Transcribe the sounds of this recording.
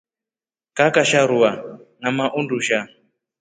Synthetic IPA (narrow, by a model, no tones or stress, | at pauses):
kakaʃaɾuwanamaʔunduʃa